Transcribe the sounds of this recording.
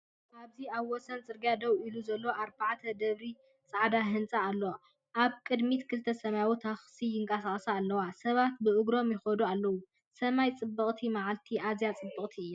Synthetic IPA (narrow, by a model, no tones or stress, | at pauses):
aβziaβwɔsɐnt͡sʼɨɾɡjad̪ɐwiluzɐlːoʔaɾbaʕt̪ʰɐd̪ɐβɾi | t͡sʼaʕd̪aɦɨnt͡sʼaːlːow | ʔaβkʼɨd̪mit̪kʰɨlt̪ʰɐsɐmajawut̪ʰɐxsijɪŋkʼɐsaχʼsaːlːɐwasɐβat̪bɨʔɨɡɾo̞mjɪxɐd̪ualːɐwu | sɐmajt͡sʼɨbːɐχʼt̪ʰimaʕalt̪ʰiʔazjat͡sʼɨbːɨχʼt̪ʰiɨjːa